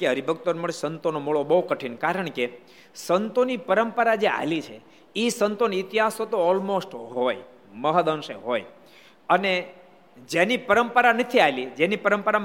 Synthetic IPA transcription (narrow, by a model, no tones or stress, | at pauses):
keɦəɾibʱəkt̪onməɭsənt̪onomuɭobəɦukəʈʰinkaɾəɳke | sənt̪onipəɾəmpəɾad͡ʒea̰lit͡ʃʰe | isənt̪oniit̪iɦasot̪oːlmosʈɦoj | məɦəd̪ənʃeɦoj | əne | d͡ʒenipəɾəmpəɾanət̪ʰiajlid͡ʒenipəɾəmpəɾa